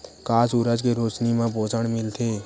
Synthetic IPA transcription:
kaːsuːɾəd͡ʒkeɾoːt͡ʃnimãpoːt͡ʃəɽ̃mɪlt̪ʰeː

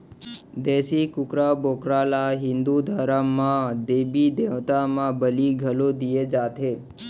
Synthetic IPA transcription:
d̪ɛsikʊkɾabokɾalaɦɪnd̪ud̪ʱaɾamãd̪ebid̪eʋt̪amãbəliɡʱəlod̪ied͡ʒat̪ʰe

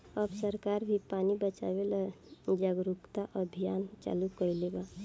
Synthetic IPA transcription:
əbsəɾkaːɾbʱipaːnibət͡ʃa̰ʋelad͡ʒəɡɾukt̪aʔəbʱijaːnt͡ʃa̰lukəɾileba

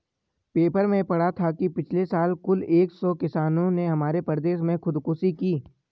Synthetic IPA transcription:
peːpəɾmẽpɐɽ̤at̪ʰakipɪt͡ʃʰlesaːlkʊleːksɔkɪsaːnõneɦɐmaːɾepəɾd̪eːʃmẽxʊd̪kʊsikiː

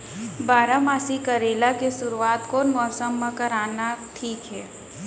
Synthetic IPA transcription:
baːɾamaːsikəɾeːlakesʊɾuaːt̪koːnmɔːsəmːãkəɾaːnaʈʰiːkɦɛː

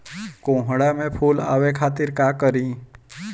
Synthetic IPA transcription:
kõːɦɽamẽpʰuːla̰ːʋekʰaːt̪ɪɾkaːkəɾĩː

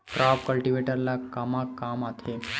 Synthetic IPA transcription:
pɾapkəlʈiʋeʈəɾlakamakamat̪ʰe

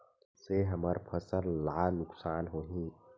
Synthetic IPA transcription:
seɦɐməɾpʰəsəllaːnʊksaːnɦoːɦĩ

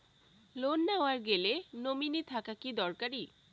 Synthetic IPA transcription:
lonːawaɾɡelenominit̪ʰakakid̪ɔɾkaɾi

